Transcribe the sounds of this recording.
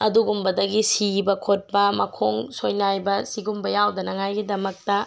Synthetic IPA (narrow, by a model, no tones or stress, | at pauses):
ɐduɡumbɐdɐɡisibɐkʰot̚bɐmɐkʰoŋsojnajbɐsiɡumbɐjawdɐnɐŋajɡidɐmɐk̚tɐ